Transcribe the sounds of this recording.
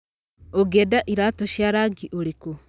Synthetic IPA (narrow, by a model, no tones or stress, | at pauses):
oɡedaʔiɾatoʃjaɾaɡiʔoɾeko